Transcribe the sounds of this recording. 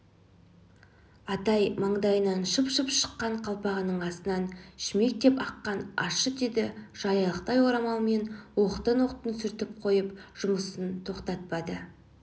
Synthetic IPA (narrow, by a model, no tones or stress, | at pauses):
ɑt̪ɑjmɑɴd̪ɑjənɑnʃəpʃəpʃə̥qːɑɴqʰɑlˠpɑʁənəɴɑsənɑnʃɪme̞k̚t̪e̞pɑqːɑnɑ̰ʃəd̪ed̪ɪʒ̥ɑjɑlˠəqt̪ɑjwoɾɑmɑwme̞nwo̞qət̪ənwoqt̪ənsʏɾt̪ɪp̚qʰo̞jəpʒ̥ʊməsənt̪ʰo̞qt̪ɑt̪̚pɑd̪ə